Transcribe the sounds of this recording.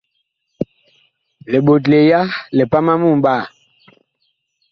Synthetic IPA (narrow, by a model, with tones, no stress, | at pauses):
le˨ɓo˨t̬le˨ja˦le˨pa˦ma˦mu˦˨mba˦˨